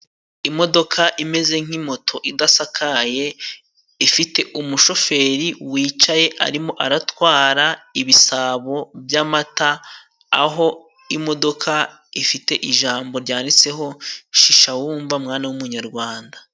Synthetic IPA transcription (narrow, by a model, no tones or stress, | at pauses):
imo̞do̞kʰaʔime̞ze̞ŋ̥imo̞tʰo̞ʔidasakʰaje̞ | ifite̞ʔumuʃo̞fe̞ɾiwiːt͡ʃaje̞ʔa̰ɾimo̞ʔaɾatwaːɾaiβisaβo̞bjamata̰ː | ɦo̞ | imo̞do̞kʰa | ifite̞ʔiʒaːmbo̞ɾɟaːndit͡se̞ɦo̞ʃiʃawuːɱvamŋaːnawumuɲaɾɡwaːnda